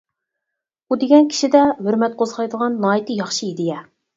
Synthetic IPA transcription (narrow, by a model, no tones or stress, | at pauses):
bud̪eɡʲɛnkʲʰi̥ʃid̪ɛhøɾmɛt̪̚qʰozʁɑjd̪əʁɑnːɑːit̪ɨjɑχʃiid̪ɪjɛ